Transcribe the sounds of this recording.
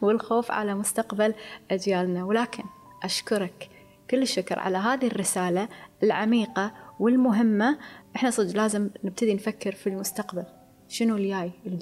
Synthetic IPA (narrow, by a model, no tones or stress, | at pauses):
wɪlxoːfʕa̰lamʊst̪aqbalʔad͡ʒjaːlnawlaːkʰɪn | ʔaʃkʊɾˤɑkː | ʊlːɪʃːʊkɾˤʕa̰laɦaːðiɪrːɪsaːlaɪlʕamiːqawɪlmʊɦɪmːaʔɪħnasˤɨd͡ʒlaːzɪmnɪb̚t̪ad̪infakːɪɾfilmʊst̪aqbal | ʃɪnuljaːjʔɪl